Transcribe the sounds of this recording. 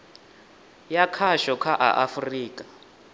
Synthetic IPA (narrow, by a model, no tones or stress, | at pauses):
jakʰaʃɔkʰaʔa̰ʔafriːkʼa